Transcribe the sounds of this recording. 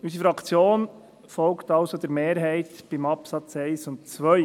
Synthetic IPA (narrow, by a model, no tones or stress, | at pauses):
ysifɾɑkʰt͡sjoːn | fɔlktɑʊsod̪əɾmeːɾɦɛɪtb̥imɑpsɑt͡sɛɪsʊnt̚t͡sʋœj